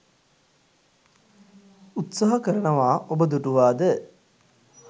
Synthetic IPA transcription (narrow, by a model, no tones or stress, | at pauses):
ut̪saɦɐkəɾɐɳɐʋaːʔobəd̪uʈuʋaːd̪ə